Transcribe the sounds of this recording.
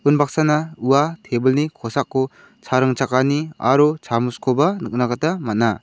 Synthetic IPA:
unbak̚sanauwatʰebɯlnikʰɔsakʰːɔ | t͡ʃʰaɾɯŋt͡ʃakania̰ɾut͡ʃʰamuskʰɔbanɯk̚nakatamat̚na

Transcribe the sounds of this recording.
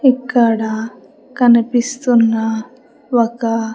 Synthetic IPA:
ikːɐɽɐ | kɐnipist̪unːɐ | okɐ

